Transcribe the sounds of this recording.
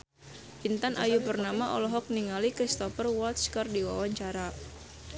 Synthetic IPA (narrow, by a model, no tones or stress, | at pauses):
pint̪anʔa̰jupərnamaʔɔ̰lɔɦɔk̚niŋalikɾist̪ɔfərwɔt̪skardiwa̰waɲt͡ʃaɾa